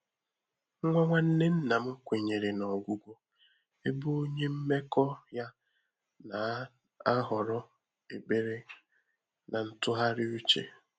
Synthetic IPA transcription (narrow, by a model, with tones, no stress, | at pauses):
ŋ̩˦ŋʷa˦ŋʷa˦n̩˦ne˦n̩˦na˨m̩˦kʷe˨ɲe˨ɾe˨nɔ˨ɡʷu˦ɡʷo˦ | e˦bu˦o˦ɲe˦m̩˦me˦kɔ˦ja˦ | na˨ | a˦ɦɔ˨ɾɔ˦ | e˨be˦ɾe˦ | na˨n̩˦tʊ˦ɦa˦ɾɪ˦u˦t͡ʃḛ˨